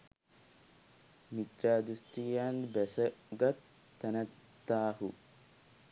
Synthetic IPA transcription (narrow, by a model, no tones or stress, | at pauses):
mit̪ɾaːd̪ust̪ijaːnbɛsɐɡɐt̪ː | ɛnɐt̪ːaːɦu